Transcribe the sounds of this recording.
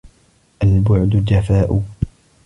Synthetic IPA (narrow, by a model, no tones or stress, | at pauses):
ʔalbʊʕd̪ʊd͡ʒafaːʔʊ